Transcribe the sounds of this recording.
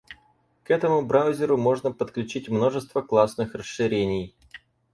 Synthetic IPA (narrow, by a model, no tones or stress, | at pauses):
kɛt̪əmʊbɾawzʲɪɾʊmo̞ʐnəpət̪klʲʉt͡ɕitʲmno̞ʐɨst̪vəklˠasnɨxrəsɨɾʲenʲɪj